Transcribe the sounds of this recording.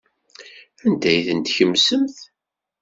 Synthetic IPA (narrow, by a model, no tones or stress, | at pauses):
ænd̪æjθənt̪çəmːsəmθ